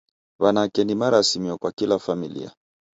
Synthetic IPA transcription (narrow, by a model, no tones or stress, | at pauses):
βanakɛnimaɾasimiwɔkwakilafamilḭa̰